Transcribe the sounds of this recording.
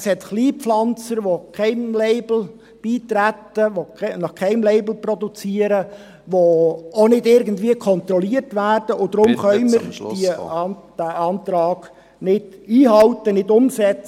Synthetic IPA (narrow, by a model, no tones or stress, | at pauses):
shɛtχliːpflɑnt͡səɾʋokʰɛɪnleɪbl̩ | b̥iːtɾætəʋonɑχkʰɛɪmleɪbl̩prɔdut͡siːəɾə | ʋoonɪdɪɾɡəndviəkʰɔnt̪rɔliərtʋæːrd̥əʔʊd̥ɾʊmχœʏmməɾd̥id̥æɑːntɾɑːɡ̥ | nɪd̥iːɦɑltənɪdʊmsɛt͡s